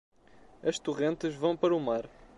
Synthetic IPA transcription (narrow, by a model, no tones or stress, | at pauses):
ɐʃt̪uʁẽnt̪ɨʒvɐ̃w̃pɐɾɐumaɾ